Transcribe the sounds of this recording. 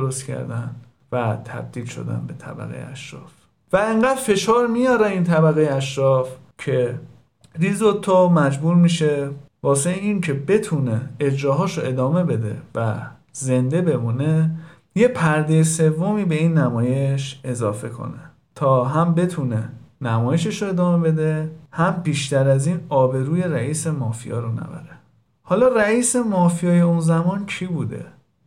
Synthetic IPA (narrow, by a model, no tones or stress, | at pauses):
d̪oɾost̪cʰæ̰ɾd̪æn | væt̪ʰæ̰b̚d̪iːlʃo̰d̪æ̰nbe̞t̪ʰæ̰bæ̰ɣḛjḛʔæʃɾɒ̰ːf | væeŋɢæːd̪̥fe̞ʃɒːɾmijɒːɾæiːnt̪ʰæbæɣejeæʃɾɒːf | cʰe̞ | ɾiːzot̪ʰːomæd͡ʒbuːɾmiːʃe | vɒːseeiːŋkʰe̞be̞t̪ʰuneːd͡ʒɾɒːɦɒːʃoe̞d̪ɒːme̞be̞d̪e̞̰væ | ze̞nd̪e̞be̞muːne | je̞pʰæɾd̪ejese̞vːomiːbe̞iːnːæmɒːje̞ʃe̞zɒːfe̞kʰo̞̰ne | t̪ʰɒːɦæmbe̞t̪ʰune̞næmɒːje̞ʃeʃoe̞d̪ɒːme̞be̞d̪e̞hæmbiːʃt̪æɾæziːnɒːbe̞ɾuːje̞ɾæiːse̞mɒːfijɒ̰ːɾonæ̰bæ̰ɾe | hɒːlɒːræiːse̞mɒːfijɒːje̞unzæmɒːncʰiːbuːd̪e̞̰